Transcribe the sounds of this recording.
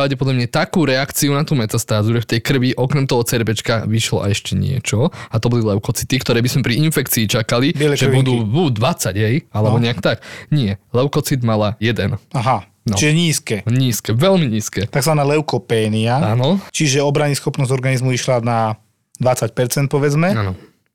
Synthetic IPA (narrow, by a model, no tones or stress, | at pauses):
ɾaʊɟɛpɔd̪lamɲɛt̪akuːɾɛakt͡siunat̪uːmɛt̪ast̪aːzuʒɛft̪ɛjkr̩ʋiʔɔkɾɛmt̪ɔɦɔt͡sɛɾbɛt͡ʃkaʋiʃlɔ̰ʔa̰jɛʃcɛɲɪɛ̰t͡ʃɔat̪ɔbɔlilɛʊkɔt͡sit̪ikt̪ɔɾɛːbizmɛpɾiinfɛkt͡siːt͡ʃakalibɪɛlɛʒɛbud̪uːbuːd̪ʋat͡saɟɦɛjalɛbɔɲɛakt̪akɲɪɛlɛʊkɔt͡sid̪malajɛd̪ɛnaɦa | nɔt͡ʃiʒɛɲiːskɛɲiːskɛʋɛlmiɲiːskɛːt̪aɡzʋanaːlɛʊkɔpɛːniaaːnɔt͡ʃiʒɛɔbɾaɲisxɔpnɔzɟɔɾɡanizmuiʃlana | d̪ʋat͡sac̚pɛɾt͡sɛnt̪̚pɔʋɛd͡zmɛanɔ